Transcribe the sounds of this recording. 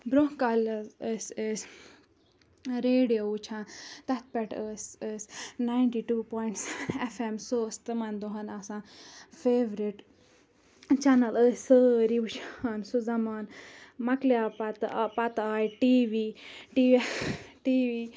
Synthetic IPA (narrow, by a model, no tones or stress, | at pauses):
bɾokaːlɐzəsəs | ɾeːɖijout͡ʃʰãːnt̪ɐt̪̚ʰpɛʈəsəsnaiɳʈiːʈuːpoːiɳʈsɛfemsost̪ɨmɐnd̪oɦɐnasãfeːʋɾiʈ | t͡ʃɛnɐləːsəːɾiut͡ʃʰansuzɐmaːnmɐklijaːpɐt̪pɐt̪aːjʈiːʋiʈiːʈiːʋiː